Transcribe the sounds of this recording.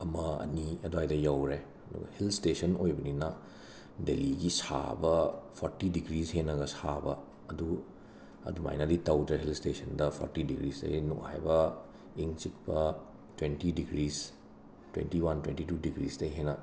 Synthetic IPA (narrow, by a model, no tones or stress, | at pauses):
ɐmɐɐ̰niɐduɦajdɐjawɾe | nṵhilstesɐnojbɐninɐ | deliɡisa̰bɐpʰoɾtidiɡɾishenɐɡɐsabɐ | ɐdu | ɐ̰duma̰jnɐditɐwdɾeɦilstesʰɐndɐpʰo̰ɾtidiɡɾisdɐ̰inukha̰jbɐ | iŋt͡ʃik̚pɐ | twentidiɡɾiz | twḛntiwantwentitudiɡɾisdɐɦenɐ